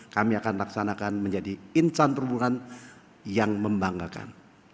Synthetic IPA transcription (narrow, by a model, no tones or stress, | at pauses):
kamiakanlaksanakanməɲd͡ʒadiinsant̪ɾubuŋan | jaŋməmbaŋaka̰n